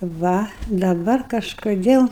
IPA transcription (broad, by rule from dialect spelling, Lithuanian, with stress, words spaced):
ˈʋɐ dɐˈbɐr kɐʃkoːˈdʲeːlˠ